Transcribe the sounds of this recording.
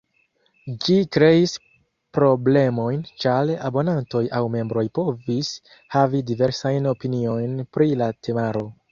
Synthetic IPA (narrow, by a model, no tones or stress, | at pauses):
d͡ʒikɾe̞is | pɾo̞ble̞mo̞jnt͡ʃalabo̞nanto̞jawme̞mbɾo̞jpo̞vis | havidive̞ɾsajno̞pinio̞jnpɾilatʰe̞maɾo̞